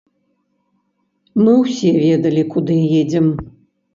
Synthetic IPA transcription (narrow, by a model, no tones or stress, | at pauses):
mɨwsʲevʲed̪ɐlʲikʰud̪ɨjed͡zʲɛm